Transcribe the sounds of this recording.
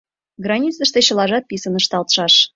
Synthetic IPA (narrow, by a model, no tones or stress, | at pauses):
ɡrɑnʲit͡s̪ə̆ʂt̪eɕə̆lˠɑʒɑt̪̚pʲisə̆nəʃt̪ɑlt̪ʃɑʃ